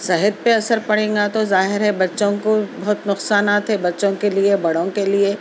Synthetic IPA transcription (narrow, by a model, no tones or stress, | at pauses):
sɐɦət̪̚peɐsəɾpɐɽ̤ẽːŋɡat̪ozaːɦɪɾɦɛbɐtːʃõkobɐɦʊt̪nʊqsaːnaːt̪ɦɛbɐtːʃõkeliebɐɽõkelie